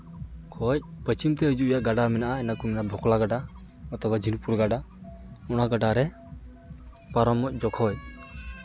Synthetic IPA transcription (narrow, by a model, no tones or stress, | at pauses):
kʰɔc̚pət͡ʃimt̪ɛəd͡ʒuʔɔjaʔɡaɖamɛnaʔaɛnakumɛnaʔbʱɔklaɡaɖa | ɔt̪ɔbad͡ʒʱinupuɾɡaɖa | ɔnaɡaɖaɾɛ | paɾɔmːɔc̚ˀd͡ʒɔkʰɔj